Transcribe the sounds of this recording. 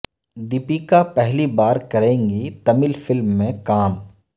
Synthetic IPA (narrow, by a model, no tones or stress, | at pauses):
d̪ɪpikapɛɦlibaːɾkɐɾẽːŋɡit̪ɐmɪlfɪlmːẽkaːm